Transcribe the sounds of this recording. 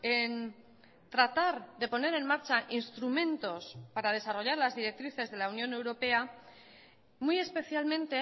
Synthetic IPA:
en | t̪ɾat̪aɾðe̞po̞ne̞ɾe̞nmaɾt͡ʃaʔinst̪ɾumẽ̞nt̪o̞spaɾað̞e̞saro̞ʝaɾlazðiɾe̞k̚t̪ɾiθe̞zðe̞launjõ̞ne̞wɾo̞pe̞a | muje̞spe̞θjalmẽ̞nt̪e̞

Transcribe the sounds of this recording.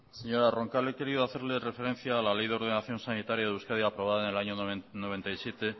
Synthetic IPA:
se̞ɲo̞ɾaro̞ŋkaleke̞ɾiðoaθe̞ɾle̞re̞fe̞ɾe̞n̟θjaːlalejðeo̞ɾðenaθjo̞nsanit̪aɾjaðewskaðjaːpɾo̞β̞aðaene̞laɲono̞β̞e̞nt̪ajsjet̪e̞

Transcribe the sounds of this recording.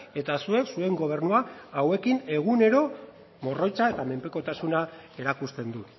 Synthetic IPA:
e̞t̪asue̞ksue̞ŋɡo̞β̞e̞rnuaːwe̞kine̞ɣ̞une̞ɾo̞ | mo̞ro̞jt͡sae̞t̪ame̞mpe̞ko̞t̪asunae̞ɾakust̪e̞nd̪u

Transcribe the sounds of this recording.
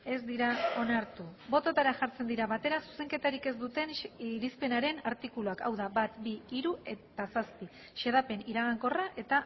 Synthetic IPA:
e̞zd̪iɾao̞naɾt̪ubo̞t̪o̞t̪aɾaʝaɾt͡send̪iɾaβat̪e̞ɾasu̥se̞ŋke̞t̪aɾike̞zd̪ut̪e̞nɾispe̞naɾe̞naɾt̪ikuluakawðabat̪biːɾue̞t̪asaspi | ʃeð̞ape̞niɾaɣ̞aŋko̞raʔe̞t̪a

